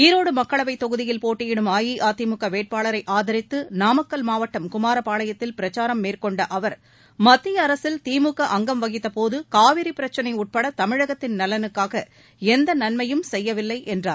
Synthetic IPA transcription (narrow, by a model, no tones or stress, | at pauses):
iːɾoːɽɯmɐkːɐɭɐʋɐɪt̪ːɔɣɯðɪjɪlpoːʈːɪjɪɽɯmaːjiʔaːt̪ɪmɯkːɐʋeːʈ̚paːɭɐɾɐɪʔaːðɐɾɪt̪ːɯnaːmɐkːɐlmaːʋɐʈːɐmkʊmaːɾɐpaːɭɐjɐt̪ːɪlpɪɾɐt͡ʃaːɾɐmːeːrkɔɳɖɐʔɐʋɐɾ | mɐt̪ːɪjɐːɾɐsɪlt̪iːmɯkːɐʔɐŋɡɐmʋɐɣɪt̪ːɐpoːðɯkaːʋɪɾipɪɾɐt͡ʃːɐnɐɪʊʈ̚pɐɽɐt̪ɐmɪɻɐɣɐt̪ːɪnnɐlɐnɯkːaːɣɐ | ɛnd̪ɐnɐnmɐjɯmsɛjːɐʋɪlːɐɪʔɛndra̰ːɾ